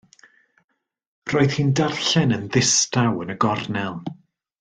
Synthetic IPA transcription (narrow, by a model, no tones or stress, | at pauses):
r̥oːɨð̥hiːndarɬɛnənðɪstawənəɡɔrnɛlˠ